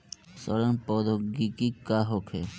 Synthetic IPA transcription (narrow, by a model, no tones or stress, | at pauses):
sɔɾanpɔd̪ʱoɡikikaɦokʰe